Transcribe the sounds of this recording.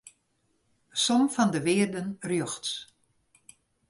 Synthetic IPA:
sɔmfɔndəʋɪːrdənrjøxts

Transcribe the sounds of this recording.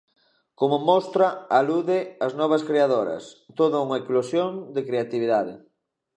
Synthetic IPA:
komomɔst̪ɾɐaluðɪaznɔβ̞ɐskɾeaðoɾɐ̰st̪oðɐuŋɐeklosjond̪ekɾeat̪iβ̞iðaðɪ

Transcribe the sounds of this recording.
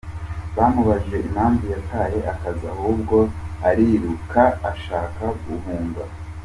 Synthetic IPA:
βaːmuβaʒɡe̞ʔim̥haːɱvujatʰaɾe̞ʔakazahub̚ɡo̞aɾiɾukʰaaʃaːkaɡuhuːŋɡa

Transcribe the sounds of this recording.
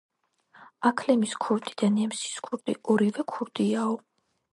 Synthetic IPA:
akʰlɛmiskʰɔvt̪ʼid̪̥anɛmsi̥skʰuɾt̪ʼḭɔɾivɛkʰuɾd̪ʼiaɔ

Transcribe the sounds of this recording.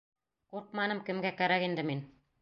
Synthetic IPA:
quɾq̚mɑnɤmkɘ̆mɡækæɾækind̪ɘmin

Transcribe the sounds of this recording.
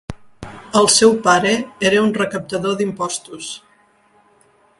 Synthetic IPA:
əlˠsɛwpaɾəeɾəunrəkəp̚t̪əðoðimpɔst̪us

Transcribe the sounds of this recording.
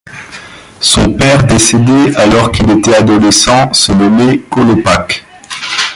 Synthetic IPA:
sɔ̃pɛʁd̪esed̪ealɔʁkilet̪ɛad̪ɔlesɑ̃sənɔmekɔlɔpak

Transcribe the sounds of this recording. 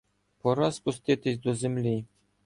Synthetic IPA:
pŏɾɑspust̪ʲet̪ʲĕsʲd̪ozʲɘ̆mlʲej

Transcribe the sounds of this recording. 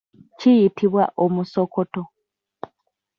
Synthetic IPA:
cijitʰiβwa̰ʔo̞muso̞ko̞to̞

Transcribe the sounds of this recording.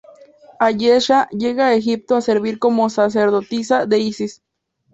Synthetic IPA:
ajeʃajeɣaexip̚t̪oaseɾβiɾkomosas̬eɾðot̪isad̪eisis

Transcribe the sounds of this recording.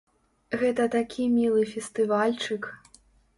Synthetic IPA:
ɣɛt̪ɐt̪akʲʰimʲilˠɨfʲɛst̪ɨvalʲt͡ʂɨk

